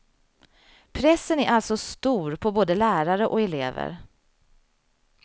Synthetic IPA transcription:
pʰɾɛsːənæɾʔalsɔst̪uːɾpʰɔboːd̪əlæːɾaɾəʔɔɛlḛːvə̰ɾ

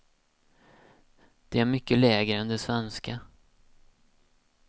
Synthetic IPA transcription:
d̪̥ɛæɾmʏkːəlɛːɡɾəɛnd̪ɛsvɛnska

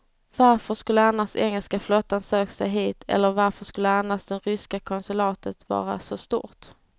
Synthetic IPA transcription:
vaɾfəʂkɵlːəanasɛŋːəlskaflɔt̪ːansøːksɛjɦiːt̪ʰɛ̰lːəɾvaɾfəʂkɵlːəanːast̪d̪ɛnɾʏskakʰɔnsɵlɑːt̪ət̪vɑ̰ːɾasɔst̪ṵːɾt̪

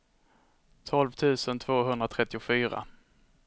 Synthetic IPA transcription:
t̪ʰɔlvt̪ʰʉ̟ːsənt̪ʰv̥oːɦɵnd̪ɾat̪ʰɾɛt̪ːɪʊfyːɾa̰

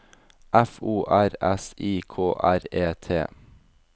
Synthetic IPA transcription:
ʔæfuːʔæɾɛsiːkʰoːʔæɾeːt̪ʰḛː

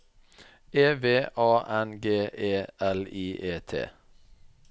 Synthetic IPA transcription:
eːʋeːʔɑːʔɛnɡeːʔeːɛliːʔeːt̪ʰḛː

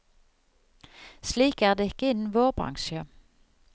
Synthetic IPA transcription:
sliːkæːʁd̪eːɪkəɪnn̩ʋoːʁbʁɑ̰ŋʃə

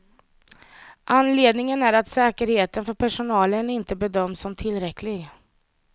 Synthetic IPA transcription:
ʔanleːd̪nɪŋənæɾat̪sɛːkəɾheːt̪ənfœɾpʰæʂʊnɑːlənɪnt̪əbɛd̪œmːsɔmt̪ʰɪlɾɛkʰlɪɡ

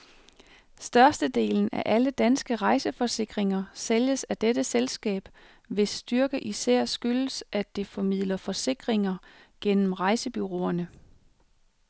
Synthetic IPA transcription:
sd̥ɶɐsd̥əd̥e̝̰ːln̩æ̰ʔæləd̥ænsɡ̥əʁɑ̈ɪsəfɒ̽se̝ɡ̥ʁeŋɐseljəsæd̥ed̥əselsɡ̥ɛ̰ːb̥ | ʋe̝sd̥yɐɡ̥əʔisæɐ̰sɡ̥ylsʔæd̥e̝fɒ̽mið̰ˠlɐfɒ̽se̝ɡ̥ʁeŋɐ | ɡ̥en̰m̩ʁɑ̈ɪsəb̥yʁo̝̰ːɐnə

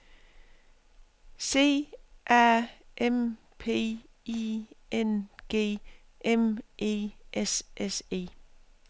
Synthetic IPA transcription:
se̝̰ːʔæɐʔem | pʰe̝̰ː | ienɡ̥e̝̰ː | ʔemʔe̝̰ːʔesʔese̝̰ː

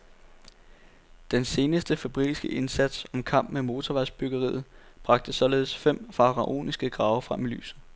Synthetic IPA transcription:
d̥ense̝ːnəsd̥əfæb̥ʁḭisɡ̥əʔe̝nsæd̥sɒ̽mkʰɑ̈m̰b̥memo̝ːt͡sʰɒʋæsb̥yɡ̥əʁḭːð̩ˠb̥ʁɑ̈ɡ̥̚d̥əsɒ̽le̝ːð̞ˠsfem̰fɑ̈ʁɑʔo̝̰ːnisɡ̥əɡ̥ʁɑ̈ːʊɐfʁamily̰ːsð̩ˠ

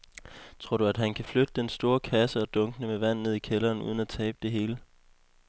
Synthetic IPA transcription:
t͡sʰʁo̝ɐɾ̥uæd̥ɦænkʰæflød̥əd̥ensd̥o̝ːɐkʰæsəɒ̽d̥ɔ̽ŋɡ̥ənəmeʋæn̰ne̝ð̞̰ˠikʰelɐːnṵːð̞ˠən̩æt͡sʰɛ̰ːb̥əd̥e̝ɦe̝ːlə

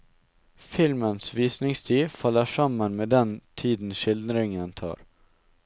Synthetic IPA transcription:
fɪlmənsʋiːsnɪŋst̪ʰiːfɑlːəʂɑmənmeːd̪ɛnt̪ʰiːd̪n̩ʃɪld̪ɾɪŋənt̪ʰɑ̰ːɾ

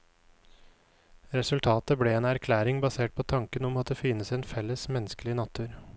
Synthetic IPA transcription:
ɾɛsʉlt̪ʰɑːt̪əbleːeːnæɾkʰlæːɾɪŋbɑseːʈ̚pʰoːt̪ʰɑŋkənɔmɑt̪̚d̪eːfɪːnəseːnfɛlːəsmɛnəskəlɪnɑt̪ʰʉːɾ

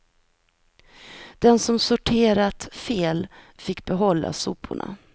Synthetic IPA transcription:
d̪̥ɛnsɔmsʊʈʰeːɾat̪feːlfɪkːbɛɦɔlːa̰suːpʰːʊ̰ɳa̰

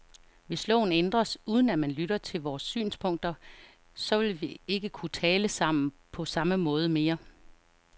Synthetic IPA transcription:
ʋe̝slɔ̽ʊn̩end̥ʁɐsuːð̞ˠn̩æmænlyɾɐt͡sʰe̝lʋɒːsːy̰ːnspʰɔ̽ŋ̰d̥ɐ | sɒ̽ʋe̝lʋie̝ɡ̥əkʰut͡sʰɛːləsɑ̈m̰n̩ | pʰɒ̽sɑ̈məmɔ̽ːð̞ˠəme̝ːɐ

